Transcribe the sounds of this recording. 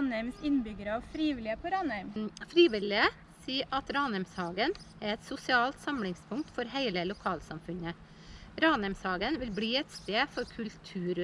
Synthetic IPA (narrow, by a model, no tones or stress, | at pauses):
næmsɪnbʏɡəɾɑʋfɾiːʋɪlɪəpʰoɾɑːnəʏmfɾiːʋɪlɪə | siːʔɑt̪ɾɑːnəmshɑːɡən | æɾɛt̪sʊsɪɑːlt̪sɑmlɪŋspʰʊŋkt̪fɔɾhæɪləlʊkʰɑːlsɑmfʉnə | ɾɑːnɛmshɑːɡənʋɪlbɽiːɛt̪st̪eːfɔɾkʰʉlt̪ʰʉːɾ